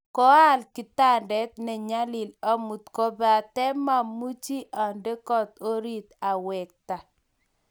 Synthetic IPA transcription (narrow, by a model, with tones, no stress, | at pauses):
kɔ˦a˦lkɪ˨ta˦˨ndɛ˨˦t̪̚nɛ˨ɲa˦lɪ˨la˦mu˨t̪kɔ˦bɛ˦˨a˨tɛ˦ma˨mu˦t͡ʃi˦ʔa˨nde˦kɔ˦t̪o˦ɾi˦t̪a˨wɛ˨k̚ta˨